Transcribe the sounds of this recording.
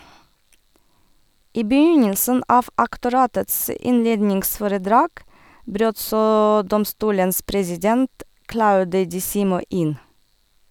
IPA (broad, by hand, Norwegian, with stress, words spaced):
ˈʔiː bəˈjʏɲəlsən ˈʔɑːʋ ʔɑktʊˈɾɑːtəts ə ˈɪnˌleːdnɪŋsfɔɾəˌdɾɑːɡ ˈbɾøːt ˈsoː ˈdɔmstuːləns pɾɛsɪˈdɛnt ˈklaʊdə dɪˈsiːmɔ ˈʔɪn